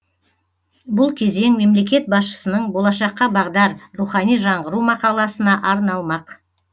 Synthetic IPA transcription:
bʊlˠkʲʰe̞ze̞ŋme̞mle̞kʲe̞t̪̚bɑsʃə̥sənəɴbo̞lˠɑʃɑqːɑbɑʁd̪ɑɾɾuχɑnijʒɑɴʁəɾumɑqɑlˠɑsənɑʔɑɾnɑlˠmɑq

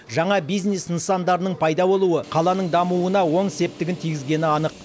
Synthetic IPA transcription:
ʒɑɴɑbijznesənsɑnd̪ɑɾənəɴpʰɑjd̪ɑbo̞lˠuəqʰɑlˠɑnəɴd̪ɑmuənɑwo̞ɴse̞p̚t̪ɪɡʲɪnt̪ʰijɡʲɪzɡʲe̞nɪɑnəq̚

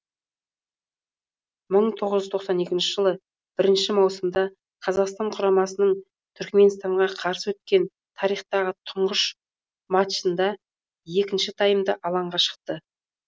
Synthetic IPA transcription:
məɴt̪ʰo̞ʁəʒʏzt̪ʰo̞qsɑne̞kʲɪnʃɪʒəlˠə | b̥ɪɾɪnʃɪmɑwsəmd̪ɑ | qʰɑzɑqst̪ɑɴqʰʊɾɑmɑsənəɴ | t̪ʰʏɾkme̞nst̪ɑɴʁɑqʰɑɾsəwɵt̪̚kʲe̞n | t̪ʰɑɾijχt̪ɑʁət̪ʰʊɴʁəʃ | mɑt̪ʃənd̪ɑ | je̞kʲɪnʃɪt̪ʰɑjəmd̪əʔɑlˠɑɴʁɑʃə̥q̚t̪ə

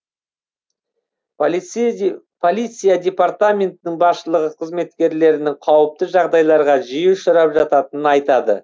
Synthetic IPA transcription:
pʰolʲijt̪sɨjad̪ʲe̞paɾt̪amʲe̞nt̪ɪnɪŋbɑɾʃəlˠəʁəqʰəzme̞t̪kʲe̞ɾle̞ɾɪnɪŋqʰɑwəp̚t̪əʒɑʁd̪ɑjlˠɑɾʁɑʒijɪʃəɾɑpʒɑt̪ɑt̪ənənɑjt̪ɑd̪ə̰

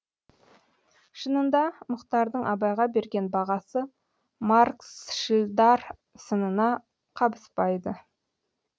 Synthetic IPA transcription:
ʃənənd̪ɑmʊqt̪ɑɾd̪əɴʔɑbɑjʁɑbe̞ɾɡʲe̞nbɑʁɑsə | maɾksʃɪld̪ɑɾ | sənənɑ | qʰɑbəspɑjd̪ə

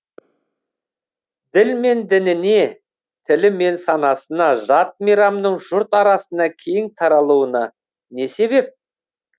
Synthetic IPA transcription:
d̪ɪlme̞nd̪ɪnɪne̞ | t̪ʰɪlɪme̞nsɑnɑsənɑʒɑt̪̚meɾɑmnəɴʒʊɾt̪ɑɾɑsənɑkʲʰe̞jɪŋt̪ʰɑɾɑlˠuənɑ | ne̞se̞βe̞p̚

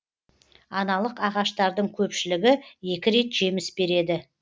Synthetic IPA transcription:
ɑnɑlˠəqɑʁɑʃt̪ɑɾd̪əɴkʲʰɵpʃɪlɪɡʲɪje̞kʲɪɾe̞t̪ʒ̥e̞mɪsbe̞ɾe̞d̪ɪ

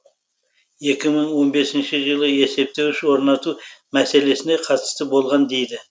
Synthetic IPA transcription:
je̞kʲɪməɴwo̞nbe̞sɪnʃɪʒəlˠəe̞se̞p̚t̪e̞wɪʃwo̞ɾnɑt̪umæse̞le̞sɪnd̪e̞qʰɑt̪ə̥st̪əbo̞lˠʁɑnd̪e̞jd̪ɪ

